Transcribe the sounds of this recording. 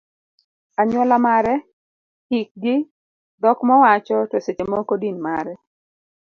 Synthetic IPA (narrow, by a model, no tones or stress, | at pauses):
aɲwɔlamaɾɛ | hik̚ɡɪ | dɔkmɔwat͡ʃɔtwoset͡ʃemɔkodinmaɾɛ